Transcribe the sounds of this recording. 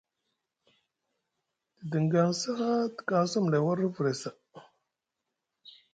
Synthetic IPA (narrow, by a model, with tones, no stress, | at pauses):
də˨də˨ŋɡa˨nsa˦a˦ti̥˨ka˦n˦su˦m˨la˨wa˦ɾə˦və˨ɾe˨sa˨